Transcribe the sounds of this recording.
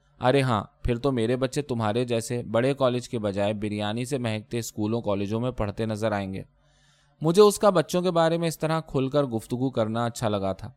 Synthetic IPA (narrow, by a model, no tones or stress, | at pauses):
ɐ̰ɾeɦãːpʰɪɾt̪omeːɾebɐtːʃet̪ʊmɦaːɾed͡ʒɛːsebɐɽekɔːleːd͡ʒkebɐd͡ʒaːebɪɾijaːnisemɛɦɛk̚t̪eɪskuːlõkɔːleːd͡ʒõmẽpɐɽ̤t̪enɐzəɾaːẽːŋɡḛː | mʊd͡ʒʱeʊskabɐtːʃõkebaːɾemẽɪst̪ɐɾakʰʊlkəɾɡʊft̪ʊɡukɐɾnaɐtːʃʰalɐɡat̪ʰaː